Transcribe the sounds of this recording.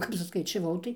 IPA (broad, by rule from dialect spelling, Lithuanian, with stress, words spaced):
ˈkɐp sʊskɐɪt͡ʃʲɛˈʋɐʊ tɐɪ